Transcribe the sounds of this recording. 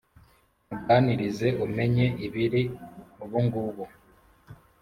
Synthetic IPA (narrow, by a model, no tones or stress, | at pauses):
muɡaːniɾize̞ʔume̞ɲe̞ʔiβiɾiuβuŋɡuβu